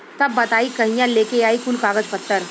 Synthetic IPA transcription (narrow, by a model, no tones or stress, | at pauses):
t̪ɐbːɐt̪aːikɐɦĩjãleːkeaːikʊlkaːɡəd͡ʒpɐt̪ːəɾ